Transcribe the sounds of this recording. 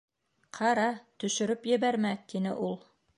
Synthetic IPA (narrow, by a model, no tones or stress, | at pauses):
qʰɑɾɑt̪ɵ̆ʃɵ̆ɾɵpjɘ̆βæɾmæt̪inɘ̰ʔulˠ